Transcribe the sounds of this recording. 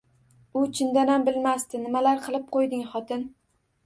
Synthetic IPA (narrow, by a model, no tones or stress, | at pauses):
ʊt͡ʃʰɪnd̪anambɪlmast̪ɪnɪmalaɾqʰɨlˠɪp̚qʰojd̪ɪŋχɒt̪ʰɪn